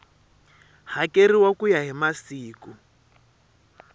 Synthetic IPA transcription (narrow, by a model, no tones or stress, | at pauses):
hakeɾiwakujaɦimasiːku